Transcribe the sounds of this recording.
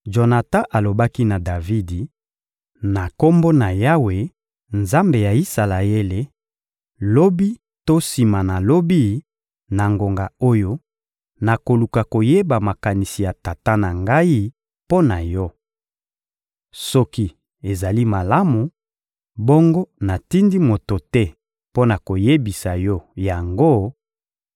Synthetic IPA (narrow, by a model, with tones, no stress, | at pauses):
ʒo˨na˨ta˦ʔa˨lo˨ba˦ki˦na˨da˨vi˦di˨ | na˨ko˦mbo˦na˨ja˦we˨ | nza˦mbe˨ja˨i˦sa˨la˨e˦le˨ | lo˦bi˦ | to˦si˨ma˨na˨lo˦bi˦ | na˨ŋɡo˨ŋɡa˨o˦jo˦ | na˨ko˨lu˨ka˨ko˨je˦ba˨ma˨ka˨ni˨si˨ja˨ta˨ta˦na˨ŋɡa˦i˦ | po˦na˨jɔ˦ | sɔ˦ki˦ | e˨za˨li˦ma˨la˦mu˨ | bo˦ŋɡo˦na˨ti˦ndi˦mo˨to˨tɛ˦ | po˦na˨ko˨je˦bi˨sa˨jɔ˦ja˨ŋɡo˦